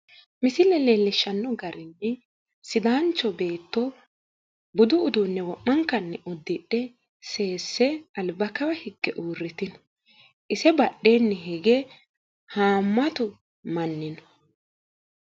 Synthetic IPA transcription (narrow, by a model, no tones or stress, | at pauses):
mɪsɪlɛleːlːɪʃːɐnːɔɡɐɾɪnːɛ | sɪd̪aːnt͡ʃːɔbe̞ːt̪ːɔ | bʊd̪ʊːd̪unːɛwɔʔːɐŋkːɐnːɛʔɔd̪ːɪɗːɛ | se̞ːsːɛɐlbɐkɐwɐhɪɡːɛʔuːrːɪt̪ɪnɔ | ʔɪsɛbɐɗːeːnːɛɦɛɡɛ | haːmːɐt̪ʊ | mɐnːɪnɔ̥